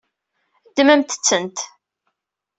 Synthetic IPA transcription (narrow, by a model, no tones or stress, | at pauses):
d̪ːməmt̪ə̥t͡sːənt̪